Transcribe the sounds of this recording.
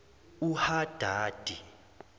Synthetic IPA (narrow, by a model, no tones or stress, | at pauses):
uhad̥ʱaːd̥ʱi